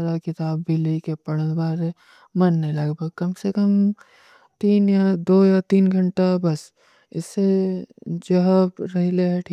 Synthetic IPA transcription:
ɾakɪt̪aːbːɪlikepɐɽəbaːɾe | mɐnːẽlɐɡbʱəɡ̚kɐmsekəm | t̪iːnjad̪oːjat̪iːnɡʱɐɳʈabɐs | ɪ̰sːe | d͡ʒɐɦəbɾɐɦileɦɛʈʰiː

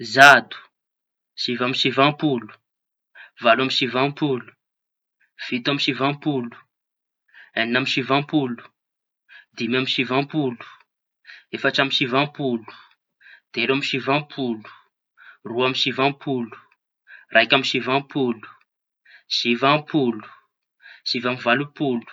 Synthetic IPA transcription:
zad̪u̥ | sivamisivãmpulu̥ | valamisivãmpulu̥ | v̥it̪amisivãmpulu̥ | aninamisivãmpulu̥ | d̪imamisivãmpulu̥ | efaʈ͡ʂamiʃivãmpulu̥ | d̪̥eɾamisivãmpʰulu̥ | ruamisivãmpʰulu̥ | rʔajkʲamiʃivãmpulu̥ | sivampʰulu̥ | sivamivalupulu̥

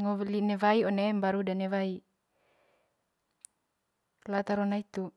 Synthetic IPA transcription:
ŋɔlinewaiɔnembaɾudanewai | lat̪aɾɔnait̪u

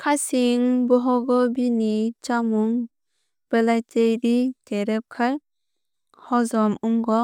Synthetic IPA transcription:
kʰasiŋbɔɦɔɡɔbinit͡ʃamuŋ | b̥əlajtejɾiteɾɛp̚kʰaɾ | hɔzɔmuŋɡɔ

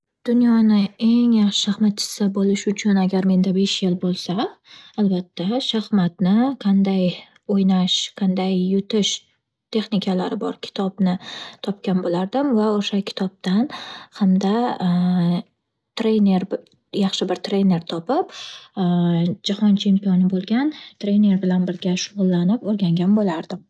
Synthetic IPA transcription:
d̪̥ʊnjɒnɪe̞ŋjɑχʃɪ̥ʃahmat̪̚t͡ʃʰɪ̥sɪbolɪʃʊt͡ʃʰʊnaɡʲaɾme̞nd̪abe̞ʃjɪlbolˠsaːlbat̪ʰːaʃahmat̪nɪqʰɑnd̪aj | ojnaʃqʰɑnd̪ajːʊt̪ʰɪʃ | t̪ʰe̞χnɪkʲʰalaɾɪbɒ̰ɾkʲʰɪ̥t̪ʰɒbnɪt̪ʰɒp̚kʲanbolaɾd̪ɪmvaoʃakʲʰɪ̥t̪ʰɒb̚t̪anhamd̪a | t̪ʰɾe̞ne̞ɾ | jɑχʃɪbɪɾt̪ʰɾe̞ne̞ɾt̪ʰɒpɪp | d͡ʒahɒnt͡ʃʰe̞mpijɒnɪbolˠɡʲant̪ʰɾe̞ne̞ɾbɪlanbɪɾɡʲaʃʊʁʊlˠːanɪpoɾɡʲaŋɡʲanbolaɾd̪ɪm

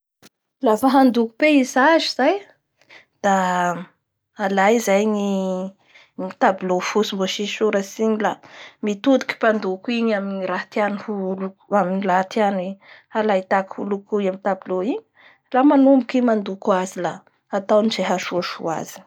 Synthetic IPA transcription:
lafaɦand̪uku̥peizaziz̥aj | d̪̥a | lajizajŋi | ŋit̪abulofusimboʃiʃuɾasiɲilamit̪ud̪u̥kʲi̥pand̪ukiɲaminiɾat̪anuhulu̥aminilat̪anihalajt̪akhulukuamit̪abiloiɲi̥ | lamanumbukimand̪ukuazilaː | t̪awnizeɦaʃuʃṵa̰zi̥

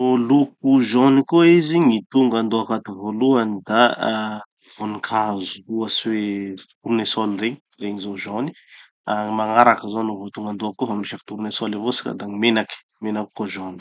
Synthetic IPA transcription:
oluk̚uʒɔnikoiziŋit̪uŋɡand̪oakat̪uvoluanid̪a | vonikʰazu̥uasiwet̪uɾunesɔlreɲi | reɲizoʒɔni̥ | amaŋaɾakəzanovot̪uŋɡand̪oakːofamiʃaki̥t̪uɾnesɔlevosi̥ka̰d̪aŋimenaki̥ | menaki̥koʒɔni̥

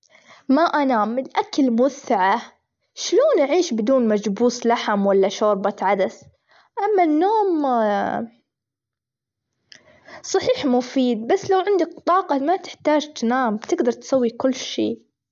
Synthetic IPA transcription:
maʔanaːmɪlʔakalmʊaθːɪʕa | ʃloːnʔaʕiːʃbɪd̪uːnmad͡ʒbuːslaħamwalːaʃoːɾˤbat̪ʕad̪as | ʔamːanːoːm | sˤɑħiːħmʊfiːd̪̚basːlawʕɪnd̪ak̚t̪ˤɑːqɑmat̪ɪħt̪aːd͡ʒt̪naːmt̪ɪɡd̪ɑɾˤt̪sawːikʊlːʃiː

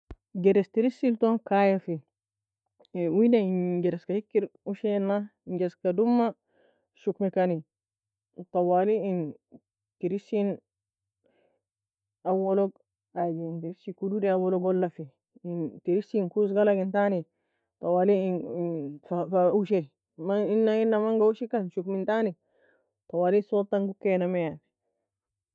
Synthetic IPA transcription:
ɡeɾestiɾisːiltonkajafi | widaiɡeɾeskahikːiɾuʃenːaɲd͡ʒeskadumːa | ʃukmikani | t̪ɑwaliin | tiɾisːin | awoloɡ | ad͡ʒintiɾiʃikududeawaloɡolːafi | intiɾisinkus̬ɡalaɡintani | tawaːli | fafauʃeɾ | mainːainːamaŋɡauʃikanʃukmintani | tɑwaːlisotaŋɡukːenameja

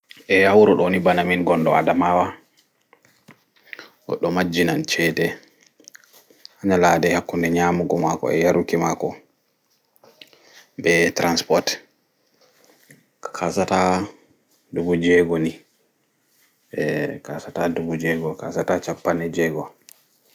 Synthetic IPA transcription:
ʔɛhawɾɔɗonibanaminɡɔndɔa̰damawa | ʔɔ̰ɗɔmad͡ʒinant͡ʃɛtɛ | haɲalaːdɛhakːundɛɲaːmuɡɔmakɔ̰ɛ̰jaɾukimakɔ | bɛtɾanspɔt | kʰasata | dubud͡ʒɛɡoni | kasatadubud͡ʒɛɡɔkasatat͡ʃapːanɛd͡ʒɛːɡɔ

